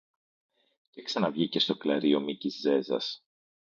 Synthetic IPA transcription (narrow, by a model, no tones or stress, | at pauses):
ceksɐnɐvʝice̞st̪o̞klɐɾio̞micizze̞zɐ̰s